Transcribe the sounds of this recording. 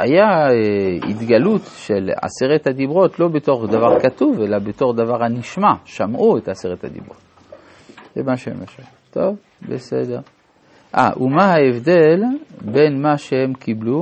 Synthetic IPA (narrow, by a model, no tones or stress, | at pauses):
a̰jaeḭt̪ɡalut̪ʃela̰seʁet̪had̪ibʁotlo̞beto̞ʁdavaʁkatuvelabeto̞ʁd̪avaʁhaniʃmaʃamʔuet̪aseʁet̪ha̰d̪ḭbʁo̰t | z̥emaʃeḛmaʃut̪o̞v | besḛd̪e̞ʁ | ʔa̰ʔumahaevd̪e̞lbe̞nmaʃehe̞mkiblu